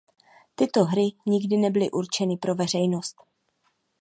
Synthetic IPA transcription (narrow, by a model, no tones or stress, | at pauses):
t̪ɪt̪o̞ɦɾɪɲɪɡdɪnɛbɪlɪʔuɾt͡ʃɛnɪpɾo̞vɛr̝ɛjno̞st̪